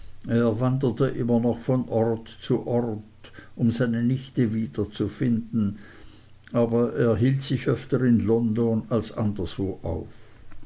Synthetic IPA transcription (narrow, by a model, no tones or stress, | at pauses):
ʔeːɐvandətəʔɪmɐnɔχfɔnʔɔʁtt͡suʔɔʁt | ʔʊmzaɪnənɪçtəviːd̥ɐt͡sufɪndn̩ | ʔaːbɐʔeːɐɦiːltsɪçʔœftəɪnlɔndonalsʔandɐsv̥oːʔa̰ʊf